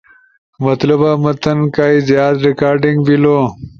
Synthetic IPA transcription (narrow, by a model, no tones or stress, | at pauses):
mɐt̪lubamɐt̪ɐnkaːjzjaːt̪ɾikaːɾɖiŋɡbilo